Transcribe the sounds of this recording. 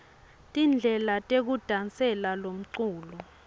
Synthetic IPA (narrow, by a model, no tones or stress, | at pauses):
tʼind͡ɮʱɛlatʼek̬ud̥ʱant͡sʼɛlalom̩ǀuːllɔ